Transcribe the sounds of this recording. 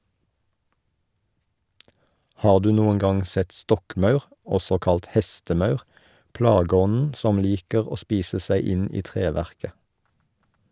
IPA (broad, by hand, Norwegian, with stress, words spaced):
ˈhɑːʁ ˈdʉː ˈnuːəŋ ˈɡɑŋ ˈsɛt ˈstɔkˌmɑʉʁ ˈɔsɔ ˈkɑlt ˈhɛstəˌmɑʉʁ ˈplɑːɡəˌɔnn̩ ˈsɔm ˈliːkəʁ ˈoː ˈspiːsə ˈsæɪ ˈɪn ˈiː ˈtʁeːˌʋæʁkə